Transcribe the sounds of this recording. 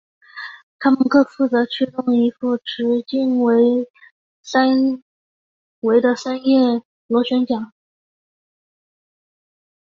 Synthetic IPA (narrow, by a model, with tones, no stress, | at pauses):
t̪ʰa˥mə˨nkɤ˥˧fu˥˩t͡sɤ˧˥t͡ɕʰy˥˧ʈ͡ʂ̪ʊ˥˩ŋi˧˥fu˥˩ʈ͡ʂɻ̩˧˥t͡ɕi˥˩nwe˧˥ɪ | sa˥n | we˧˥ɪd̪ə˧sa˥njɛ˥˩ | lwɔ˧˥ɕɥɛ˧˥nt͡ɕjɑ˨˩˦ŋ